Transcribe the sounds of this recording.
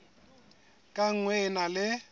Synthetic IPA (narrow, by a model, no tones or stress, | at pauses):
kʼaŋ̩ŋwɛnalɪ